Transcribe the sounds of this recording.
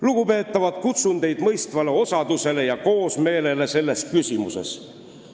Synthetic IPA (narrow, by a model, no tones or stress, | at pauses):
luɡ̥upe̞ːt̪ːˑɑvɑd̪̥kut̪sund̪e̞jd̪̥mɤjst̪vɑle̞o̞sɑd̪̥use̞le̞jɑko̞ːsme̞ːle̞le̞se̞lːe̞skysʲimuse̞̰s